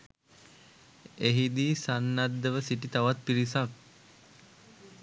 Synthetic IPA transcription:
eɦid̪iːsanːad̪ːəʋəsiʈit̪aʋat̪̚piɾisak̚

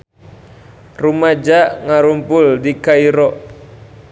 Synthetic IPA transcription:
rumad͡ʒaʔŋaɾumpʊldikaiɾɔʔ

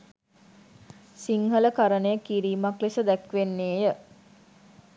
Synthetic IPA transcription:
siŋɦələkaɾənəjəkiɾiːmaklesəd̪ækʋenːeːjə

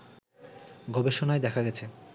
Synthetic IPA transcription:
ɡɔbeʃonaed̪ɛkʰaɡɛt͡ɕʰe

